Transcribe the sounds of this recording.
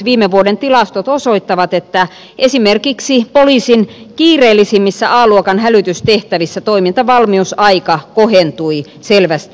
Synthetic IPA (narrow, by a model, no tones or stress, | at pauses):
ʋiːmeʋuodent̪ilɑst̪ot̪osoit̪ːɑʋɑt̪et̪ːæ | ʔesimerkiksipoliːsin | kiːreːlːˑisimːisːæʔɑːluokɑnhælyt̪yst̪eht̪æʋisːæt̪oimint̪ɑʋɑlmiusɑikɑkohent̪ui | selʋæst̪